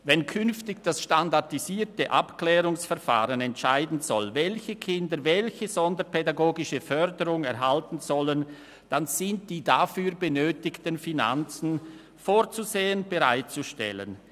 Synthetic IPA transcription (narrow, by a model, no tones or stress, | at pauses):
vɛnkʰʏnftɪçd̥asʃtandaʁtiziːtəʔa̰pkl̥ɛːʁʊŋsfɛɐfa̰ːʁənɛntʃaɪdn̩zɔ̰lvɛlçəkʰɪndəvɛlçəzɔndəpʰɛdaɡoːɡɪʃəfœʁdəʁʊŋɛʁɦaltn̩zɔlən | d̥anz̥ɪnt̚d̥iːdafyːɾbənøːtɪçtənfina̰nt͡sn̩ | foːʁt͡suzeːənb̥əʁa̰ɪt̚t͡suʃtɛ̰lə̰n